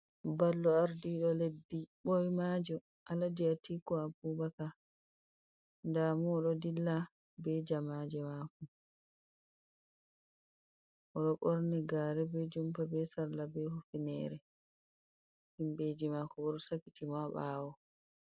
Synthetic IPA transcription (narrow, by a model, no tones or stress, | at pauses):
balːɔaɾdiɗɔledːiɓɔjmad͡ʒɔ | ʔaladiatikɔapubaka | ndamuɗɔdilːa | bɛd͡ʒamad͡ʒɛmakɔ | ʔɔɗɔkɔɾnɛɡaːɾɛbɛd͡ʒumpabɛsaɾlabɛhufinɛ̰ɾɛ | himbed͡ʒimakɔbɔɾsakːitimaɓaːwɔ